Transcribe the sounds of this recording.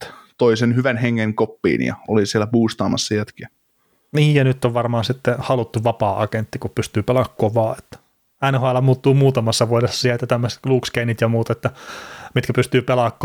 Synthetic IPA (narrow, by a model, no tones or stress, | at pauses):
t̪oisenhyʋænheŋːeŋkopːḭːnjɑ̰olisielːæpuːst̪ɑːmɑsːɑjæt̪kiæ | niːjjɑnyt̪ːoʋʋɑrmɑːnsit̪ːehɑlut̪ːuʋɑpɑːʔɑkent̪ːikuppyst̪yːpelɑkːoʋɑːet̪ːæ̥ | ɑinɑhɑːˑlːɑmuːt̪ːuːmuːt̪ɑmɑsːɑʋuodesːɑ̥siælt̪jæt̪æmːəse̥t̪kluːkskeinit̪jɑmuːt̪et̪ːæmit̪kæpyst̪yːpelɑkːo